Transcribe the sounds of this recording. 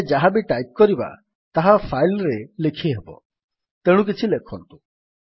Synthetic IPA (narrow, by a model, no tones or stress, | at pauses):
d͡ʒaɦabeʈajp̚kɔɾiba̰ | t̪aɦapʰajlɾelekʰiɦebɔ̰ | t̪eɽ̃ũk̬it͡ʃʰilekʰɔnt̪u̥